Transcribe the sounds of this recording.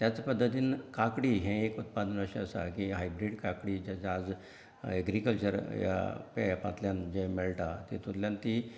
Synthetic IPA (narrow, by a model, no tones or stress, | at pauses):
t̪jat͡spəd̪ːət̪iːnkakɽiːɦɛ̃ekut̪pad̪ənəɕẽəsa̰kĩɦajbɾiɖkakɽiːd͡ʑat͡ɕad͡z | ɛɡɾikəlt͡ɕəɾja̰pɛpã̰t̪ljand͡ʑẽmeɭʈat̪it̪uɾljãnt̪i